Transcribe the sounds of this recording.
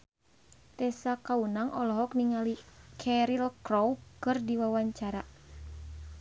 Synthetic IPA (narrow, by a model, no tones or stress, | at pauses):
t̪ɛsakaunaŋɔlɔɦɔk̚niŋalikʰɛɾilkrowkɨrdiwawaɲt͡ʃaɾa